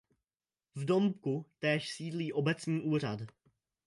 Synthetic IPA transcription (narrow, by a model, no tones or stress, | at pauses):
vdo̞mp̚kut̪ɛːʃsiːdliːʔo̞bɛt͡sɲiːʔuːra̰d